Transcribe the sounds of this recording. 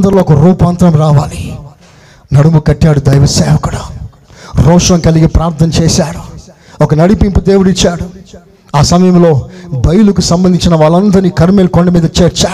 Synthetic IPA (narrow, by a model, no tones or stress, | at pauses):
d̪ɐɾloːɔkɐɾuːpaːnt̪ɾɐmɾaːʋaːli | nɐɽumukɐʈːaːɽud̪ɐjʋɐsɛːʋɐkuɽu | ɾɔːʂɐmkɐliɡipɾaːɾt̪ʰɐnɐt͡ʃeːsaːɽu | ɔkɐnɐɽipimpud̪e̞ːwuɽit͡ʃːaːɽu | aːsɐmɐjɐmlo̞ːbɐjulukusɐmbɐnd̪iɲt͡ʃinɐʋaːɭːɐnd̪ɐɾnikɐɾmeːlkoɳɖɐmiːd̪ɐt͡ʃeːɾt͡ʃaː